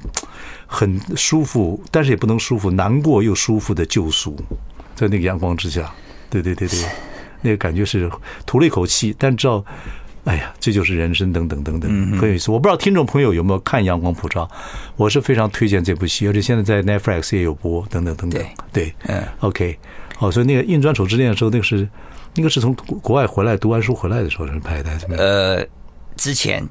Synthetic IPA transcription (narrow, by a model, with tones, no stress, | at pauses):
xə˨˩nʂu˥fu˥˩t̪a˥˧nʂɻ̩˥˩jɛ˨˩pu˥˩n˧˥ŋʂu˥fu˧˥˩na˧˥nkwɔ˥˩jo˥˩ʊʂu˥fu˥˩d̪ə˩t͡ɕjo˥˩ʊsu˥˩t͡sa˥˧ɪne˥˩ɡə˧jɑ˧˥ŋkwɑ˥ŋʈ͡ʂɻ̩˥ɕja˥˩ | t̪we˥˧ɪt̪we˥˧t̪t̪we˥˩ɪ | na˥˩ɡə˩ka˨˩nt͡ɕɥɛ˧˥ʂɻ̩˥˩t̪ʰu˧˥le˥˩ɪkʰo˨˩ʊt͡ɕʰi˥˩t̪a˥˧nʂ̩˧ʈ͡ʂɻ̩˧˥ɑ˥˧ʊa˥˩ɪa˨˩ʈ͡ʂɤ˥˧t͡ɕjo˥˧ʂ̬ɻ̩˥˩ɻə˧˥nʂə˥ŋt̪ɤ˧˥ŋt̪ɤ˧˥ŋt̪ɤ˧˥ŋt̪ə˨˦ŋxxə˧˥njo˧˩i˥s̩˧˨wp̬t̪ʰi˥ŋʈ͡ʂʊ˥˩ŋpʰɤ˧˥jo˧jo˨˩ʊme˥o˧ʊkʰa˥˩njɑ˧˥ŋkwɑ˥ŋpʰu˨˩ʈ͡ʂɑ˥ʊwɔ˨˩ʂ̬ɻ̩˥˩fe˥ɪʈ͡ʂʰɑ˧˥ŋt̪ʰwe˥t͡ɕjɛ˥˧nʈ͡ʂe˥˧ɪp̬u˥˩t͡ɕʰi˥˩˧t͡ɕʰɛ˨˩ɕjɛ˥˧nt͡sa˥˧ɪt͡sa˥˧ɪnɛ˥tfla˥˩ksjɛ˧˥jo˨˩ʊpwɔ˥t̪ɤ˧˥ŋt̪ɤ˨˩ŋt̪ə˧˥ŋt̪ə̰˧˨˩t̪we˥˩ɪo˥˧ʊkʰe˥ɪ | xo˥˩swɔ˧˥i˧na˥˩ɡə˩i˥˧nʈ͡ʂwa˥nʂʰo˨˩ʊʈ͡ʂɻ̩˥ljnə˩ʂ̩˧˥˧ne˥˧ɡə˧ʂɻ̩˥˩ | na˥˩ɡə˧ʂɻ̩˥˩t͡sʰʊ˧˥ŋkwɔ˧˥wa˥˩ɪxwe˧˥ɪla˧˥ɪt̪u˧˥wa˥nʂ̬u˥xwe˥la˧˥d̪ə˩ʂ̩˧˥xo˧ʂ̩˥˩pʰa˥ɪt̪a˥˩˥ə˧ | ʈ͡ʂɻ̩˥t͡ɕʰjɛ̰˧˥n